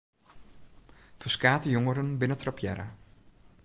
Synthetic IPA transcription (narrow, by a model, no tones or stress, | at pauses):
fəskaːtəjoŋəɾənbɪnətrapjɛ̰ɾə̰